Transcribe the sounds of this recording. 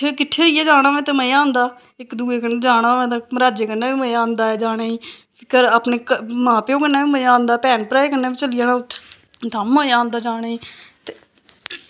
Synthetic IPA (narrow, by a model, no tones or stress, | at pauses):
ekɪʈʰːeːiːeːd͡ʒaːɽ̃aːʋɛ̃ːt̪eməãːnd̪aː | ɪkd̪uːeːkəneːd͡ʒaːɽ̃aːʋɛ̃ːt̪amɾaːd͡ʒeːkənːaːʋiːməãːnd̪aːɛːd͡ʒaːɽ̃aːiː | ɪkəɾaːpneːkəmãːpːõːkənːaːʋiːməãːnd̪aːpɛːnpɾaːeːkənːaːbiːt͡ʃəlɪjaːnãːʊt̪ʰː | d̪amːəãːnd̪aːd͡ʒaːɽaːiːt̪eː